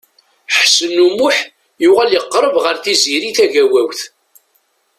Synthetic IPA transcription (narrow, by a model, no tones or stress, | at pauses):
ħsənːumʊħ | juʁæljəqːɾˤəvʁəɾθiziɾiθæʝæwæwθ